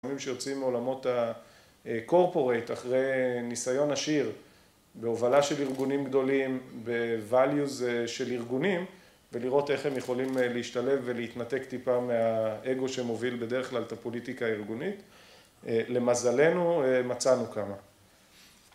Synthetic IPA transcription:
mimʃejo̞t͡simo̞lamo̞ta | ko̞ʁpo̞ʁe̞jtaχʁe̞jnisajo̞naʃiʁ | be̞ovalaʃe̞liʁɡunimɡd̪o̞limbe̞valjuzʃeliʁɡunim | ve̞liʁo̞te̞χhemjeχo̞limleiʃtale̞fve̞leit̪nate̞kt̪ipameae̞ɡo̞ʃe̞mo̞vilbe̞deʁeχklalt̪apo̞litikaːiʁɡunit | le̞mazale̞nuemat͡sanukama

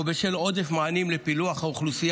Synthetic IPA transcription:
beʃelo̞d̪efmaanimlepiluaχhauχlusij

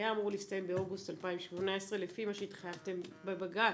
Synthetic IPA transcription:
jaːmuʁuliist̪aje̞mbeoɡustalpaimʃmonaesʁelefimaʃeit̪χajavt̪e̞mbebaɡa

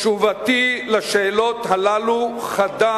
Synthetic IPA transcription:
ʃuvat̪ilaʃeːlo̞t̪ɦalaluχad̪a

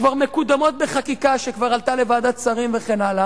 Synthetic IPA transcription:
kvaʁme̞kud̪amo̞t̪̚beχakikaʃekvaʁalt̪ale̞vad̪at͡saʁimveχenala

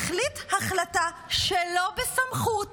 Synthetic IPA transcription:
χlithaχlata | ʃelo̞besamχu

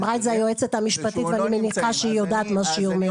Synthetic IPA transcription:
bʁajt̪zaajoet͡set̪hamiʃpat̪it̪veanimeniχaʃeijo̞d̪aːt̪mazʃejuʁme

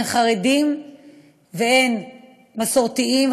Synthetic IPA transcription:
nχaʁedim | veen | maso̞ʁt̪iim

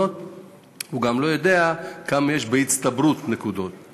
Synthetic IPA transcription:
ot̪ | huɡamlo̞jod̪e̞akamje̞ʃbeit͡st̪abɾut̪nekud̪o̞t̪̚

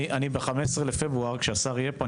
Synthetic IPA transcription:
ʔanibeχameʃsʁelefebʁuaʁkʃeasaʁijepo

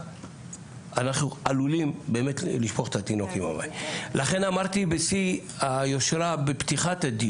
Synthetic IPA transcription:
anaχnualulimbe̞ːme̞tliʃpoχe̥t̪at̪inokima̰ma̰jlaχe̞namaʁt̪ibesi | ajo̞ʃɾabept̪iχat̪ad̪i

